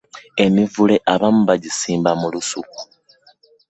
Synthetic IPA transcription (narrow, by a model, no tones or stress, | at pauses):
e̞mivule̞ʔaβamuβaɟisiːmbamulusuku̥